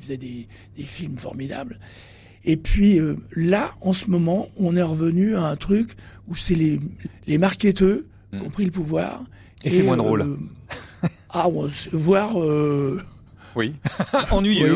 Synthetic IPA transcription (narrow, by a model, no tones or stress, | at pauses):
fəzɛd̪e | d̪̥efilmfɔ̰ʁmid̪a̰bl | epɥiølaɑ̃səmɔmɑ̃ɔ̃nɛʁəvənyaɛ̃t̪χyk | usɛlelemaʁkʲet̪ø | kɔ̃pχiləpuvwa̰ːʁ | eesemwɛ̃d̪ʁol | aɔ̃svwaʁø | wiɑ̃nɥij